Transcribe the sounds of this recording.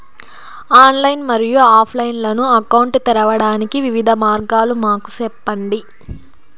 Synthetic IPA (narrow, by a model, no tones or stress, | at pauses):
aːnlɐjnmɐɾijuaːpʰlɐjnlɐnuɐkɐwɳʈt̪ɛɾɐʋɐɽaːnikiʋiʋid̪ʱɐmaːɾɡaːlumaːku̥sɛpːɐɳɖi